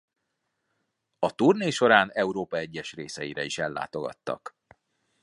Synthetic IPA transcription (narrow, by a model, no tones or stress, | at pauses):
ɒt̪urneːʃo̞ɾaːnɛuɾoːpɒɛɟːɛʃreːsɛjiɾɛiʃɛlːa̰ːt̪o̞ɡɒ̰t̪ːɒ̰k